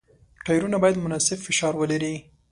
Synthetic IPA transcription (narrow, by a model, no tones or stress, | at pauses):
ʈɑjɾunabɑjad̪mʊnɑsɪbfɪʃɑɾwəlaɾi